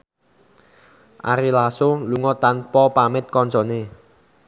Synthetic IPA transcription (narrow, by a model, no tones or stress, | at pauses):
ʔa̰ɾilasoluŋɔt̪anpɔpamɪt̪̚kɔnt͡ʃɔne